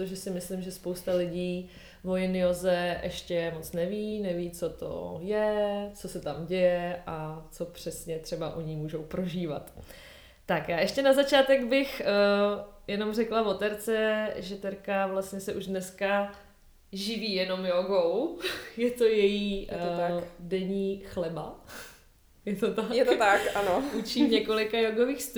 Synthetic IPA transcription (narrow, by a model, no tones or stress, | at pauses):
t̪oʒɛsɪmɪslɪmʒɛspowst̪alɪɟiː | vo̞jɪnɪozɛʔɛʃcɛmo̞t͡snɛviːnɛviːt͡so̞t̪o̞̰jɛt͡so̞sɛt̪amɟɛjɛʔat͡so̞pr̝̥ɛsɲɛt̪r̝̥ɛbaʔoɲimuːʒo̞wpɾo̞ʒiːva̰t̪ː | akjaːʔɛʃcɛnazat͡ʃaːt̪ɛɡbɪx | jɛno̞mrɛklavo̞t̪ɛɾt͡sɛʒɛt̪ɛɾkavlast̪ɲɛsɛʔuʒdnɛska | ʒɪviːjɛno̞mjoɡo̞wjɛt̪o̞jɛjiːadɛɲiːxlɛba | jɛt̪ot̪ajɛt̪t̪akanout͡ʃiːmɲɛko̞lɪkajoɡoviːxst̪u